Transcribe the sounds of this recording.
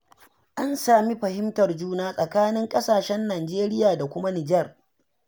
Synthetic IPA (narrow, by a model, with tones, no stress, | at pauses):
ʔa˦nsaː˨mi˦ɸɐ˨hɪ˦mtɐ˨rd͡ʒuː˦naː˦sʼɐ˨kaː˦nɪ˦ŋkʼɐ˦saː˨ʃɛ˦nːaː˨nd͡ʒeː˦ɾɪ˦jaː˨da˨kʷʊ˦ma˦nɪ˨d͡ʒɛ˦r